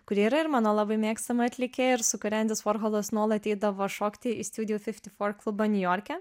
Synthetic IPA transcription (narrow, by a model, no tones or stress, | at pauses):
kʊɾʲiːiːɾɐɪɾmɑːnoːlˠɑbɐɪmʲeːkst̪ɐmɐɐt̪ʲlʲɪkʲeːɪɾsʊkʊɾʲɛnʲd̪ʲɪsfoːɾɣoːlˠɐsnuɔlˠɐt̪ʲɛɪd̪ɐʋoːʃoːkt̪ʲɪist̪ʲud̪ʲɪjufʲɪfʲt̪ʲɪfoːɾklˠʊbɐnʲʊjoːɾʲkʲɛ